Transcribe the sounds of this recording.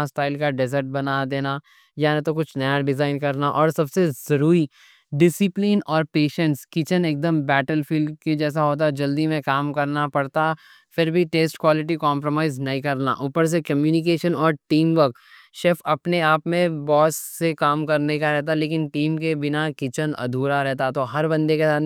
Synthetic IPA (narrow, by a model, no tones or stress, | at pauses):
asʈaːɪlkaɖɛzəɾʈ̚bɐnad̪eːna | janet̪okʊt͡ʃʰnɐjaɖɪzaːɪnkɐɾnaʔɔːɾsɐbsezɐɾuːɾi | ɖɪsɪplinɔːɾpeːʃə̃ɳʈskɪt͡ʃəneːk̚d̪əmbɛːʈəlfiːlɖked͡ʒɛːs̬aɦoːt̪̬ad͡ʒɐld̪imẽkaːmkɐɾnapɐɽt̪a | fɪɾbʱiʈeːsʈkwaːlɪʈ̬ikɔːmpɾomaːɪznɐɦĩkɐɾna̰ʔʊːpəɾs̬ekɐmjuːnɪkeːʃənɔːɾʈiːmʋəɾk | ʃefɐpneaːpmẽbɔːsːekaːmkɐɾneikaɾɛɦt̪̬aleːkɪnʈiːmkebɪnakɪt͡ʃənɐ̰d̪ʱuːɾaɾɛɦt̪at̪oɦɐɾbɐ̃nd̪ekesaːt̪